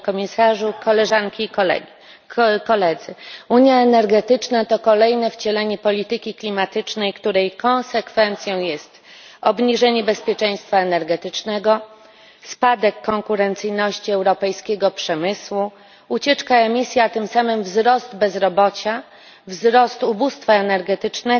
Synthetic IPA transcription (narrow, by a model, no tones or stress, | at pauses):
kɔmʲisaʐukɔlɛʐaŋkʲi | kɔlɛd̪zɘuɲjaɛnɛɾɡɛt̪ɘt͡ʂnat̪ɔkɔlɛjnɛft͡ɕɛlɛɲɛpɔlʲit̪ɘkʲiklʲimat̪ɘt͡ʂnɛjkt̪uɾɛjkɔ̃ñsɛkfɛnt̪sʲjɔ̃w̃jɛst̪ | ɔbɲiʐɛɲɛbɛspʲjɛt͡ʂɛj̃st̪faɛnɛɾɡɛt̪ɘt͡ʂnɛɡɔ | spad̪ɛkːɔŋkuɾɛnt̪sɘjnɔɕt͡ɕiɛwɾɔpɛjskʲɛɡɔpʂɛmɘswu | ut͡ɕɛt͡ʂkaɛmʲisʲjat̪ɘmsamɘmvzɾɔsd̪bɛzɾɔbɔt͡ɕa | vzɾɔst̪ubust̪faɛnɛɾɡɛt̪ɘt͡ʂnɛ